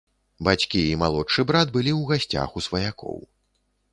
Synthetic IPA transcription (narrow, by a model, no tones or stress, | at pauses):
bat͡sʲkʲiimalˠɔtʂɨbɾad̪bɨlʲiwɣasʲt͡sʲa̰xusvɐjakɔ̰w